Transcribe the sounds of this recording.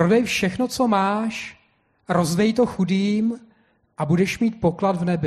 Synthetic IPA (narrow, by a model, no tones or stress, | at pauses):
ɾo̞dɛjfʃɛxno̞t͡so̞maːʃ | ɾo̞zvɛjt̪o̞xudiːm | ʔabudɛʃmiːt̪̚po̞klad̪vnɛbɪ